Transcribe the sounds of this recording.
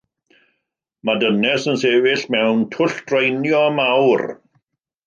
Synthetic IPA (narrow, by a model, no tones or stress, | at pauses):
madənɛsənseːvɪɬmɛwntʰʊɬd̥rejnjɔmawr